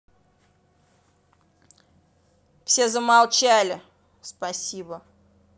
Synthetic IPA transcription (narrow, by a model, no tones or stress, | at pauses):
fsʲezəmalˠt͡ɕælʲɪ | spɐsʲibə